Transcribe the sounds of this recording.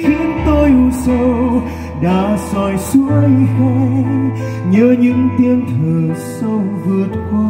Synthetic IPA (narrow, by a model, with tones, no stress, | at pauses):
xi˧nt̪o˧ju˧˩sə˧w | ɗa̰ː˧˥sɔ˧˩jsu˧˦əjho˧ | ɲəː˨˧˦ɲɨ̰˧˥ŋt̪i˧ənt̪ʰəː˨˩sə˧wvɨ˨˩ət̚kwaː˧